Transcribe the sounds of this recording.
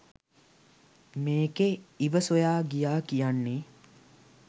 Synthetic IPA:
meːkeiʋəsojaːɡijaːkijanːe

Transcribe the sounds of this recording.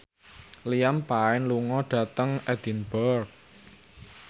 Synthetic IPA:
lijampaɪnluŋɔɖ̥ä̤t̪əŋʔɛd̪̥inbərk̚

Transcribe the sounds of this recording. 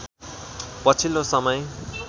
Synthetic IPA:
pʌt͡sʰilːosʌmʌj

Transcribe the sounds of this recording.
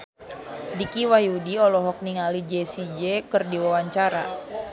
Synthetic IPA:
dikiwajudiɔlɔɦɔk̚niŋalid͡ʒɛsid͡ʒɛkɨrdiwawaɲt͡ʃaɾa̰

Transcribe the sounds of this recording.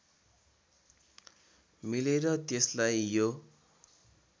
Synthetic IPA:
mileɾʌt̪eslajjo

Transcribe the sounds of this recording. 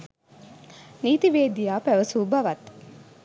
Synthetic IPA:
niːt̪iʋeːd̪ijaːpæʋəsubaʋat̪

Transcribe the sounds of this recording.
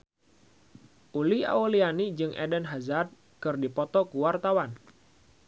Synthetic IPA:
ʔulia̰olianid͡ʒɨŋʔɛ̰dənɦazat̪̚ | kɨrdipɔt̪ɔkuwart̪awan

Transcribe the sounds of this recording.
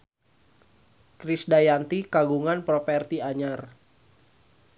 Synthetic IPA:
kɾisdajant̪ikaɡuŋanpɾopɛrt̪iaɲar

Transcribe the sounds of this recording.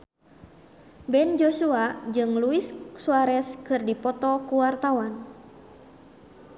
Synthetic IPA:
bɛnd͡ʒosuad͡ʒɨŋluissuaɾɛskɨrdipɔt̪ɔkuwart̪awan

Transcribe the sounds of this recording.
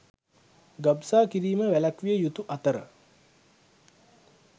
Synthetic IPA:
ɡabsaːkiɾiːməʋælakʋijəjut̪uʔat̪əɾə̰

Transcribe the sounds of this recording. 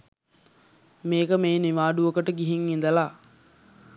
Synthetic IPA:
meːkəmeːniʋaːɖuʋəkəʈəɡiɦiŋind̪əlaː

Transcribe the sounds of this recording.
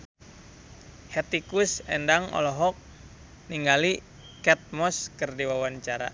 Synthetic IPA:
hɛt̪ikusɛndaŋɔ̰lɔɦɔk̚ | niŋɡali | kɛt̪̚mɔskɨrdiwawant͡ʃaɾa̰

